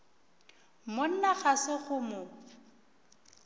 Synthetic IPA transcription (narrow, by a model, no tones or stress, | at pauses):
mon̩naɣasɪɣʊmʊ